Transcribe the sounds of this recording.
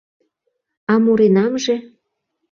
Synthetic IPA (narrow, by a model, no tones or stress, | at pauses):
ɑmuɾenɑmʒĕ